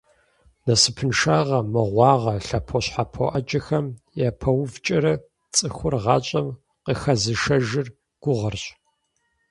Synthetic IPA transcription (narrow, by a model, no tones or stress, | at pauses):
nɐsɨpʰɨnʃaːʁɐmɨʁʷɑːʁɐɬɐpʰoɕħapʰo̰ʔɐd͡ʒʼɐxɐm | japʰɐwvt͡ʃʼɐɾɐ | t͡sʼɨxʷʊrʁɑːɕʼɐm | qəxɐzɨʃɐʒɪr | ɡ̥ʷʊʁɐrɕʼ